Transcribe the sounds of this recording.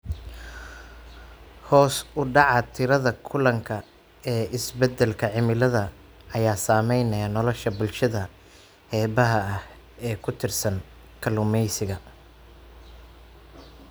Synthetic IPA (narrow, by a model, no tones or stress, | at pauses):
hɔːsʊɖɑʕɑt̪ʰɪɾɐðɐkʰʊlɐŋkʰɐ | ɛːɪsbɛd̪ɛlkʰɐʕɪmɪlɐðɐ | ɐjaːsaːmɛjnɐjɐnɔlɔʃɐbʊlʃɐðɐ | hɛːβɐɦɐɐh | ɛːkʰʊt̪ʰɪrsɐn | kʰɐlʊmɛjsɪɣɐ